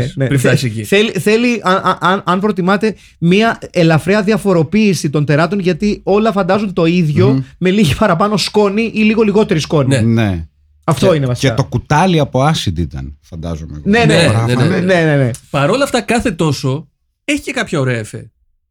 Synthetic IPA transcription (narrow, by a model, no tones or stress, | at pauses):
nefɐseciθeliθe̞liɐnʔɐʔɐnɐnpɾo̞t̪̬imɐt̪e̞ | miɐelɐfɾeɐðiɐfo̞ɾopiːsit̪o̞nθe̞ɾɐt̪o̞nʝɐt̪io̞lɐfɐnd̪ɐzunt̪o̞iðʝo̞me̞liʝipɐɾɐpɐno̞sko̞niʔiliɣo̞liɣo̞t̪e̞ɾisko̞niene | ɐft̪o̞inevɐsieɐo̞kut̪ɐliɐpo̞ɐsid̪it̪ɐ̰nfɐnd̪ɐ̰zomḛneneɐene̞ne̞ne̞pɐɾo̞lɐft̪ɐkɐθe̞t̪o̞so̞ | eçi̥ce̞kɐpçɐoɾe̞ɐefe